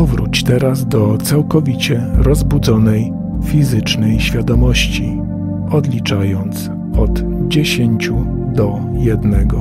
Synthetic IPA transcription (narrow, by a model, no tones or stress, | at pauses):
ɔvɾut͡ɕt̪ɛɾazd̪ɔt̪sawkɔvʲit͡ɕɛɾɔzbud̪zɔnɛj | fʲizɘt͡ʂnɛjɕfʲjad̪ɔmɔɕt͡ɕi | ɔd̪lʲit͡ʂajɔnt̪s | ɔd̪ | d͡ʑeɕeɲt͡ɕu | d̪ɔ | jɛd̪nɛɡɔ